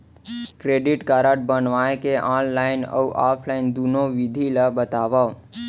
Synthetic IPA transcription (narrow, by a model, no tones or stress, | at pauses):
kɾeɖiʈkaɾəʈ̚bənʋaekeʔaːnlaɪnə̰uʔapʰlaɪnd̪unoʋid̪ʱiləbət̪aʋa